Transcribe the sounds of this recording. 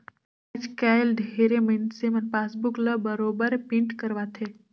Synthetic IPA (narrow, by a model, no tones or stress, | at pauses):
ad͡ʒkaːɪlɖʱeɾemensemɐnpaːsbukləbəɾoːbəɾpĩɳʈkəɾʋat̪ʰe